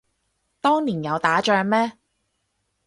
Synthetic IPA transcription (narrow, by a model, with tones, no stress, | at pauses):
t̪ɔː˥ŋliː˨˩njɐ˨˧wt̪aː˨˥t͡ʃœː˧ŋmɛː˥